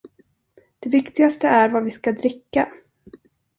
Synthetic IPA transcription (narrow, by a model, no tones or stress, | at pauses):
d̪̥ɛvɪkt̪ɪɡast̪əæɾvavɪskad̪ɾɪkːa